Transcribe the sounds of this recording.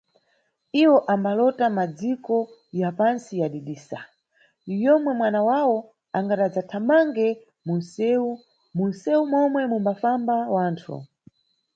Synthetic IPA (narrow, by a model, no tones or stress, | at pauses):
iwɔʔambalɔtamad͡zikɔjapansijaɗiɗiːsa | ijɔmwɛmwanawawɔ | aŋɡaɗad͡zatʰamaŋɡɛ | munsɛu | munsɛumɔmwɛmumbafambawaːntʰṵ